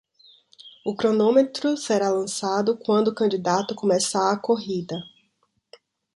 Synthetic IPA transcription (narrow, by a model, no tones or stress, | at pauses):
ʊkɾonõmet̪ɾʊseɾalɐ̃sad̪ʊkwɐ̃nd̪ʊːkɐ̃nd͡ʒid̪at̪ʊkõmɛsaːkoɦid̪ɐ